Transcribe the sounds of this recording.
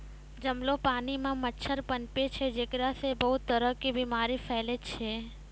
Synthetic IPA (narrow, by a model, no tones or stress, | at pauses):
d͡ʒəmlopanimãmətːʃʰəɾpənpet͡ʃʰed͡ʒekɾasebəɦut̪əɾəkibimaɾifɛlet͡ʃʰe